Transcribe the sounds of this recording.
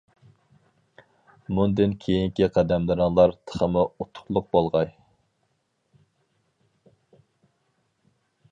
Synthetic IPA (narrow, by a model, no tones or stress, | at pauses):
mund̪ɪnkʲʰejiŋkʲiqʰæd̪ɛmlˠɨɾɨŋlˠɑɾt̪ʰə̥χəmuut̪ʰːʊ̥χlˠʊq̚bolˠʁɑj